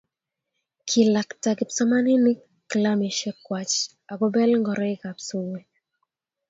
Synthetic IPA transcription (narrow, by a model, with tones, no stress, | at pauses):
kʰi˨la˨ktaki˨psɔ˦ma˦ni˦nɪ˦ | klami˨ʃɛ˦kwat͡ʃ | a˨ɡɔ˦bɛ˦lŋɡɔ˨ɾɔ˦ɪ˦kapsuwe˨